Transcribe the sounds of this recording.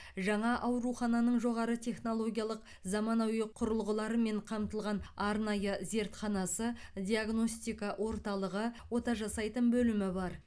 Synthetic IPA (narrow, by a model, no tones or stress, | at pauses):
ʒɑɴɑʔɑwɾuχɑnɑnəɴʒo̞ʁɑɾət̪ʲʰe̞χno̞lˠo̞ɡʲijalˠəq | zɑmɑnɑwjəqʰʊɾəlˠʁəlˠɑɾəme̞ɴqʰɑmt̪əlˠʁɑnɑɾnɑjəze̞ɾt̪χɑnɑsəd̪ʲiaɡno̞st̪ijkɑʔwʔo̞ɾt̪ɑlˠəʁəwo̞t̪ɑʒɑsɑjt̪ənbɵlɪmɪbɑɾ